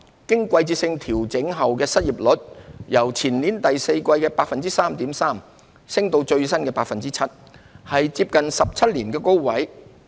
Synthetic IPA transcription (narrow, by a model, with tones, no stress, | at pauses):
kɪ˥ŋkʷɐ˧jt͡siː˧sɪ˧ŋt̪ʰiː˨˩wt͡sɪ˨˥ŋɦɐ˨wkɛː˧sɐ˥t̚jiː˨p̚lɵ˨˥t̚jɐ˨˩wt͡sʰiː˨˩nniː˨˥nt̪ɐ˨jse˧jkʷɐ˧jkɛː˧paː˧k̚fɐ˨nt͡siː˥saː˥mt̪iː˨˥msaː˥m | sɪ˥ŋt̪o˧wt͡ʃɵ˧ɥsɐ˥nkɛː˧paː˧k̚fɐ˨nt͡siː˥t͡sʰɐ˥t̚ | hɐ˨jt͡siː˧p̚kɐ˨nsɐ˨p̚t͡sʰɐ˥t̚liː˨˩nkɛː˧ko˥wwɐ˨˥j